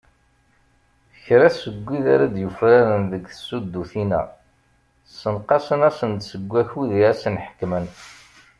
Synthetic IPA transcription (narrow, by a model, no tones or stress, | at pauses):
çɾæsəɡʷːiðaɾad̪jufɾaɾənðəɡθə̥sud̪ːuθinæ̰ | sənqɑsənæsənt̪səɡʷːæçuðiæsənħə̥kːmən